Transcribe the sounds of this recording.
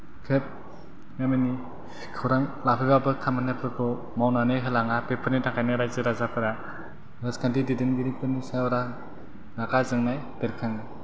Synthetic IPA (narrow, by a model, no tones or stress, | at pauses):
kʰep̚ | ŋameni | kʰɯwɾaŋlapʰɯjbabɯkʰamanepʰɯɾpʰɯ | mawnanɯɦɯlaŋapepʰɯɾnitʰakʰajnaɾajzɯɾazapʰɯɾa | ɾaskʰandididenɡiɾipʰɯnisaɔɾa | nakazɯŋnaj | deɾkʰaŋɯ